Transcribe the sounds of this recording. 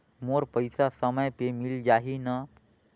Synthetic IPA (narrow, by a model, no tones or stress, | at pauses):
moːɾpəɪsasəməjpemɪld͡ʒaːɦinə